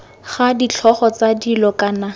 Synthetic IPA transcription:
χadit͡ɬʰɔχɔt͡sadilɔkana

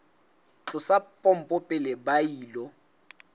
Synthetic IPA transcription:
t͡ɬʼʊsapʼɔm̩pʼʊpʼɪlɛbajiːlɔ

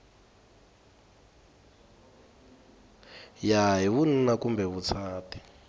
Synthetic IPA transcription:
jaɦiwun̩nakumbɛβut͡sʰaːtʰʼi̥

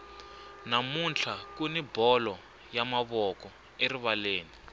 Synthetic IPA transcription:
namunt͡ɬʰakunibɔlɔ | jamaβɔkɔ | eriβaleːni

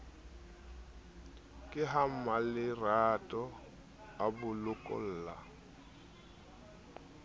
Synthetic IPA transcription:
kʼɪɦam̩malɪratʼɔ | abʊlʊkʼɔ̰l̩ːla̰

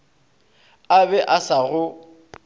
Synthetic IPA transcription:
abɛʔasaɣʊ

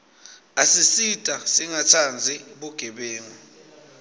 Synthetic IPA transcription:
asisitʼasiŋatʰand͡zʱiɓuɡ̥ʱɛɓeːŋɔ

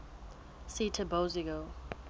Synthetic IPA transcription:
sitʰəboziɡo

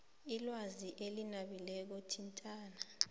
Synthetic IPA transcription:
ilwaziʔelinaɓilɛk̬otʰintʼaːna

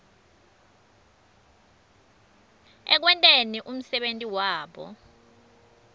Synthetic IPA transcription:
ɛ̰k̬wɛntʼeniʔum̩sɛɓentʼiwaːɓɔ̰

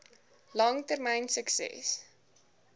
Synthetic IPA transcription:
lɐŋtərmɛjnsəksɛ̰s

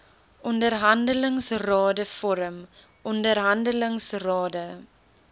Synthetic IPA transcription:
ʔɔndərɦɐndələŋsrɑːdəfɔɾəm | ʔɔndərɦɐndələŋsrɑːdə

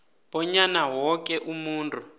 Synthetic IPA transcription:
bɔɲanawɔk̬ʼɛʔumuːntʰʼu

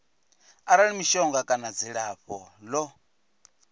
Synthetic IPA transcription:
aɾaɺimiʃɔŋɡakʼanad͡ziɺaɸɔlɔ

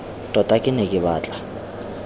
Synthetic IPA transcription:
tʼɔtʼakʼɪnekʼɪɓaːt͡ɬʼḁ

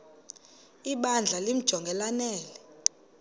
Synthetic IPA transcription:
iɓand͡ɮʱalim̩d̥ʒ̥ʱɔŋɡʱɛlanɛːlɛ

